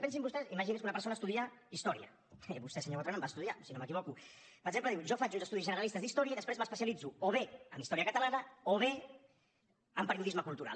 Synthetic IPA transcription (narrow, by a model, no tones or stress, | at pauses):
pɛns̬imbust̪ɛsiməʒiniskunɐpəɾsonəːst̪uðiaist̪ɔɾiə̰ | βust̪ɛsəɲot̪ɾonəmbast̪uðiasinoməkiβ̞ɔku | pəɾəɡzempləðiwʒɔfat͡ʃunzəst̪uðizʒənəɾəlist̪əzðist̪ɔɾiəiðəspɾezməspəsiəlid͡zuoβeəmist̪ɔɾiəkət̪əlanəoβe | əmpəɾiuðizməkulˠt̪uɾa̰l